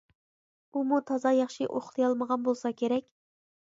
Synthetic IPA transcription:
umut̪ʰɑzɑjɑχʃiʔo̰χlˠɨjɑlˠməʁɑnbolˠsɑkʲʰeɾɛkʲ

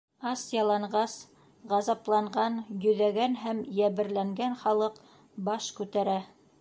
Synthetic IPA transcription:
ɑsjɑlˠɑɴʁɢɑs | ʁɑzɑplˠɑɴɢɑnjɵ̆ðæɡænɦæmjæβɘ̆ɾlæŋɡænχɑlˠɤq | bɑʃkʉt̪æɾæ

